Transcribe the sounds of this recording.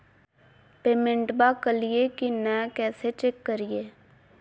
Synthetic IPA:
peːmẽɳʈbaːkəlɪjeːkinɛ̃ːkɛːseːt͡ʃekːəɾijeː

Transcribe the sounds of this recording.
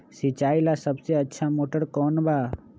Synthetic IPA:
sit͡ʃaːilasəbseətːʃʰamoːʈəɾkɔːnba

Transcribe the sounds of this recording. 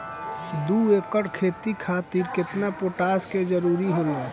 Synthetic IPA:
d̪ueːkəɽkʰeːt̪ikʰaːt̪iɾkɪt̪napoːʈaːsked͡ʒəɾuːɾiɦoːnaː

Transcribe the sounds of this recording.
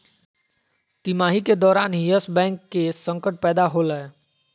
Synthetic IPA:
t̪imaːɦiked̪ɔːɾaːnɦiəsbɛ̃ːŋkːesə̃ŋkəʈ̚pɛːd̪aɦoləe

